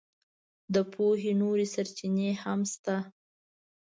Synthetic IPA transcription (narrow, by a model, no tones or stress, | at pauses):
d̪əpʰoɦenoɾesaɾt͡ʃinehamst̪a